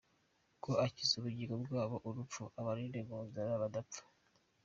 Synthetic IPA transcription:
kʰo̞acizuβuɟiɾobɡwaːβo̞ʔuɾupp͡fuʔaβaɾiːnde̞ɡuːnzaɾaβadap̪p͡fḁ

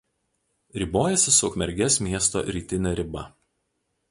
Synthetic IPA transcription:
ɾʲɪboːjɛsʲɪsʊːkmʲɛɾʲɡʲɛsmʲiɛst̪o̰ːɾʲiːt̪ʲɪnʲɛɾʲɪbɐ̰

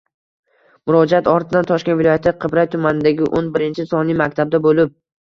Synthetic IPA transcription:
mʊɾɒd͡ʒaat̪ɒɾt̪ʰɪd̪ant̪ʰɒʃkʲenvɪlɒjat̪ʰɪqʰɨbɾajt̪ʰʊmanɪd̪aɡʲɪʔonbɪɾɪnt͡ʃʰɪsɒnimakʲt̪ʰab̚d̪abolɪp̚

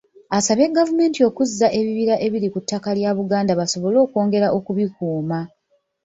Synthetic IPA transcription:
asaβe̞ɡavume̞ːntio̞kuzːaʔe̞βiβiɾaʔe̞βiɾikutːakaljaβuɡaːndaβaso̞βo̞lo̞ːko̞ːŋɡe̞ɾaʔo̞kuβikuːma

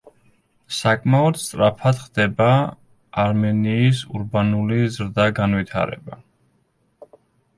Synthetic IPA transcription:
sakʼmaɔd̪st̪ʼɾapʰad̪χd̪ɛbaː | ɾmɛniːsṵɾbanulizɾd̪aɡanwit̪ʰa̰ɾɛ̰ba

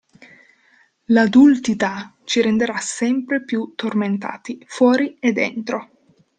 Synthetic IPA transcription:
lad̪ult̪it̪at͡ʃiɾend̪eɾasɛmpɾepjut̪ːorment̪a̰ːt̪ifwɔːɾied̪ːɛ̰nt̪ɾo

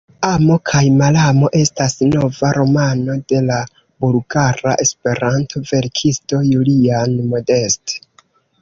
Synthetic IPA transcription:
amo̞kʰajmalamo̞ʔe̞stasno̞vaɾo̞mano̞de̞la | bulɡaɾa̰ʔe̞spe̞ɾantʰo̞ve̞ɾkʰisto̞julianmo̞de̞ste̥

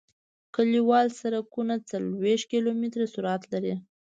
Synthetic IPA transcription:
kəliwɑlsaɾakunat͡salweʃt̪̚kilomit̪ɾasuɾat̪laɾi

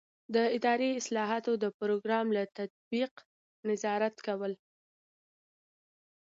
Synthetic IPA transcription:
d̪əɪd̪ɑɾiɪslɑɦɑt̪od̪əpɾoɡɾɑmlat̪at̪̚biq | nɪzɑɾat̪kawəl

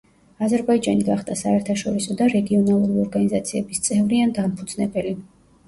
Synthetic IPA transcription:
azɛɾbaid͡ʒaniɡaχd̪asaɛɾt̪ʰaʃɔɾisɔd̪aɾɛɡiɔnalˠuɾiɔɾɡanizat̪sʰiɛbist̪sʼɛvɾiand̪ampʰud̪z̥nɛbɛli

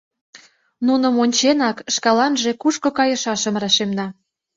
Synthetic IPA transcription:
nunə̆monʲt͡ɕenɑkʃkɑlɑnʒekuʃkŏkɑjə̆ʃɑʃəmrɑʃemnɑ

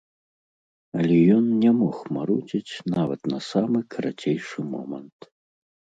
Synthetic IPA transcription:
ɐlʲɛjɔnnʲɛmɔxmaɾut͡sʲit͡sʲnavɐt̪nɐsamɨkʰɐɾat͡sʲejʂɨmɔ̰mɐ̰nt̪

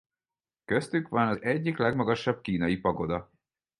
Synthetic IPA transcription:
kø̞st̪ykʋɒnɒzɛɟːiklɛɡmɒɡɒʃːɒb̚kiːnɒjipɒɡo̞d̪ɒ

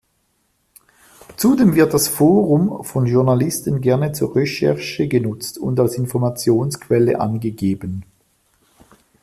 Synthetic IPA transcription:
t͡sudeːmvɪɐt̚d̥asfoːʁʊmfɔnʒʊɐnalɪstənɡɛɐnət͡suːɐʁɛʃɛɐʃəɡənʊt͡stʰʊndalsɪnfɔʁmat͡sjoːnskʰv̥ɛlə̰ʔa̰nɡəɡeːbən

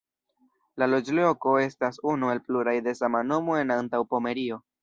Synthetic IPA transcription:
lalo̞d͡ʒloko̞e̞stasunue̞lpluɾajde̞samano̞mo̞e̞nantawpo̞me̞ɾio̞

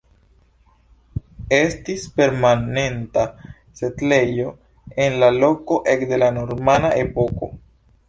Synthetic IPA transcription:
e̞stispe̞ɾmane̞nta | se̞tle̞jo̞ | e̞nlalo̞ko̞ʔe̞kde̞lano̞ɾmanaʔe̞po̞ko̞̰

